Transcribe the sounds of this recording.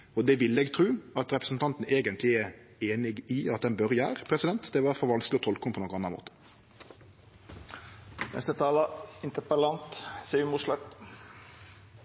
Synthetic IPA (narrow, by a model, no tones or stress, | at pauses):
ɔd̪ɛʋɪlːəɛːɡt̪ʰɾʉːɑt̪ɾɛpɾəsn̩t̪ʰɑnt̪n̩eːɡənt̪lɪɛ | eːnɪɡɪɑt̪̚d̪ɛnbœɾjæːɾəpʰɾɛsɪd̪ɛnt̪d̪ɛʋɑːɾfɔɾʋɑnsklɪɔt̪ʰɔlkəʊmpʰɔnoːkənɑnːɑmo̰ːt̪ə̥ | nɛ̰st̪ət̪ʰɑːlɑɪnt̪əpəlɑnt̪sɛmʊʂlɛt̪